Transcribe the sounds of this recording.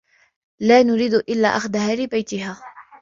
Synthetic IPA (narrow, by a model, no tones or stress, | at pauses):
laːnʊɾiːd̪ʔɪlːa̰ːʔaxd̪ahaːlɪbajt̪ɪɦaː